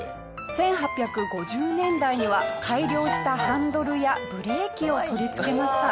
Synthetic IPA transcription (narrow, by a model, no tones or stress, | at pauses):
sẽ̞ɰ̃ɦapʲjakɯ̟ɡo̞ʑɨːnẽ̞nd̪aiɲ̟iβakʰaiɾʲjo̞ːɕi̥t̪ahãnd̪o̞ɾɯ̟jabɯ̟ɾe̞ːkʲio̞t̪o̞ɾʲit͡sɨ̥ke̞maɕi̥t̪a